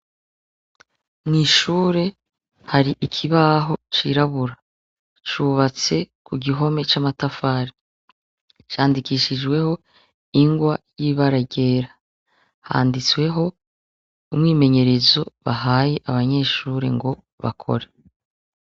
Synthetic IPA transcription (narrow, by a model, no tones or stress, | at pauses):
mŋiːʃuːɾe̞ | haɾiʔikʰiβaɦo̞t͡ʃiɾaβuɾa | t͡ʃuβat͡se̞kʰuɡiɦo̞me̞t͡ʃamatafaɾi | t͡ʃaːndikiːʃid͡ʒɡwe̞ho̞ | iŋɡwajiβaɾaɟe̞ːɾa | ha̰ːndit͡swe̞ɦo̞ | umŋiːme̞ɲe̞ɾe̞zo̞βaɦaːje̞ʔaβaɲe̞ːʃuːɾe̞̰ŋɡo̞ | βa̰kʰo̞̰ɾe